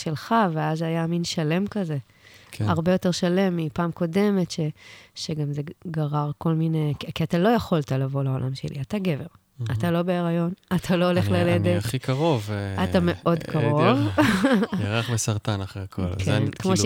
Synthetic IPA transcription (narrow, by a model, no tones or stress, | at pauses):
ʃe̞lχaveazajaminʃale̞mkaze̞ | kaʁbe̞jo̞te̞ʁʃale̞mːipaːmko̞de̞me̞tʃe̞ʃeɡamzeɡaʁaʁko̞lminekikiatalo̞jaχo̞ltalavo̞lao̞lʔamʃe̞̰lʔḭataɡeve̞ʁ | atalo̞beːʁajo̞natʰalo̞ole̞χlaled̪eχikʰaʁo̞vatame̞ʔo̞dkʰaʁov | jaʁaχbesaʁt̪anaχʁeakʰo̰lkenkmo